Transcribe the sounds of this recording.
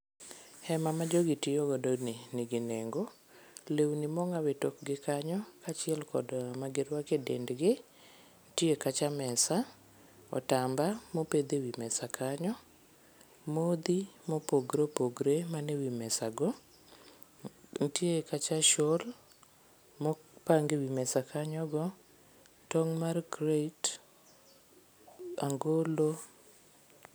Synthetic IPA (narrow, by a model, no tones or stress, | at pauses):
hɛmamad͡ʒoɡɪtɪjoɡɔdɔnɪnɪɡɪneŋɡo | lewnimɔŋawetokɡɪkaɲɔkat͡ʃɪɛlkɔ̰dmaɡɪɾwakedḛndɡɪ | ntiekat͡ʃamɛsa | ɔ̰tambamoped̪ewimɛsakʰaɲɔ | mod̪imopoɡɾopoɡɾemanewimɛsaɡɔ | ntiekat͡ʃaʃol | mɔpaŋɡewimɛsakʰaɲɔɡɔ | tɔŋmarkɾet | aŋɡolo